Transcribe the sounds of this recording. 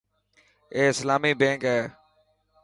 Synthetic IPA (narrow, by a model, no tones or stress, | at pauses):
eːɪslaːmiːbẽːŋkɦɛː